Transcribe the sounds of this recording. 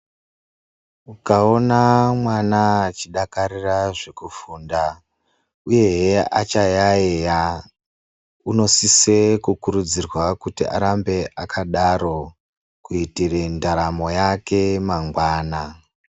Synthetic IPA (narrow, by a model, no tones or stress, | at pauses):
ukao̞namwanat͡ʃiɗakaɾiraʐe̞kufuːnda | uje̞ɦea̰t͡ʃajaeja | uno̞sisekukuɾud͡zirwakutiʔa̰ɾambe̞ʔakʰaɗaɾo̞ | kuitirendaɾamo̞jake̞maŋɡwaːna